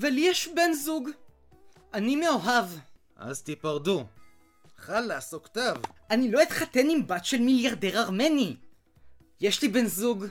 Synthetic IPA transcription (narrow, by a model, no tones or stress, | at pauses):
veljeʃbenzuɡ | ʔanimeoɦav | ʔa̰zt̪ipaʁdu | χalːaːsokt̪avʔanilo̞it̪χate̞nimbatʃelmiljaʁdeʁaʁmeni | jeʃlibenzuɡ